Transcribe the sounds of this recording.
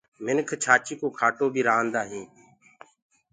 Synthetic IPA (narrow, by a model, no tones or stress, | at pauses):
mɪnkʰt͡ʃʰaːt͡ʃiːkoːkʰaːʈoːbʱiːɾaːnd̪aːɦĩː